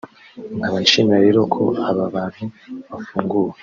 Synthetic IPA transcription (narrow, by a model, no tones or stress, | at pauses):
aβaiʃinaɾe̞ːɾo̞kʰo̞̰aβaβaːn̥huβafuːŋɡuwe